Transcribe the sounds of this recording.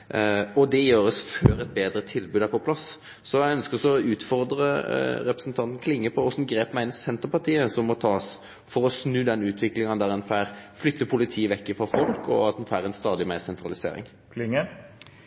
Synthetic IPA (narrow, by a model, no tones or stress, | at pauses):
ɔd̪ɛjøːɾəsføːɾɛt̪̚beːd̪ɾət̪ʰɪlbʉːd̪æɾpʰɔpʰlɑs | sɔjæɪœnskəɾɔsɔɔʉːt̪fɔʁd̪ɾəɾɛpɾəsnt̪ʰɑnt̪n̩kʰlɪŋːəpʰɔɔsn̩ɡɾeːpmæɪnsɛnt̪əɾpɑʁt̪iːəsɔmːɔt̪ʰɑːs | fɔɾɔsnʉːd̪ɛnʉːt̪ʰʋɪklɪŋɑnd̪æɾɛnfæːɾflʏt̪ːəpʰʊlɪt̪ʰiːʋɛkːɪfɔfɔlkɔ̰ɑt̪dɛnfæːɾɛnst̪ɑːd̪ɪmæɪsɛnt̪ɾɑlɪsḛːɾɪ̰ŋ | kʰlɪŋːə